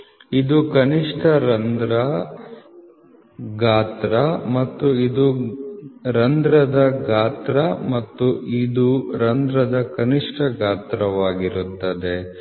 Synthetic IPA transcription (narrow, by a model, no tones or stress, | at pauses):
id̪ukɐniʂʈʰɐɾɐnd̪ɾɐ | ɡaːt̪ɾɐmɐt̪ːuid̪u | ɾɐnd̪ɾɐd̪ɐɡaːt̪ɾɐmɐt̪ːuid̪uɾɐnd̪ɾɐd̪ɐkɐniʂʈʰɐɡaːt̪ɾɐʋaːɡiɾut̪ːɐd̪e̞